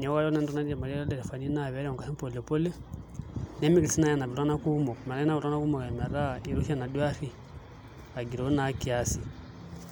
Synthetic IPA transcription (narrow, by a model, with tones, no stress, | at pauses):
ɲa˨˦wa˦jnɛ˦ndɔ˦na˦dia˨ma˨ɾi˦a˦ɾa˦dɛ˨ɾɛ˨fa˨ni˦na˦βɛ˨˦ɾɛ˦ɔ˨ka˨si˦m˦po˨lpɔ˦lɛ˦ | nɛ˦mi˦ki˨si˦na˦ja˨na˨βa˦na˦ku˦mɔ˨kma˨la˦i˦na˦βu˨ɾa˦na˦ku˦mo˨ka˨ma˨ɾa˦˨i˦ɾu˦ʃa˨na˨dwa˦ɾi˦ | a˨ɡi˨ɾo˨˦na˦ki˨a˦si˨